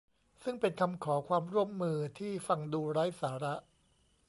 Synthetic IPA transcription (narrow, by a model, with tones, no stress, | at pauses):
sɯ˥˩ŋpe˧nkʰa˧mkʰɔː˩˦kʰwaː˧mɾu˥˩əmːɯː˧t̪ʰiː˥˩fa˧ŋduː˧ɾa˦˥jsaː˩˦ɾa˦˥ʔ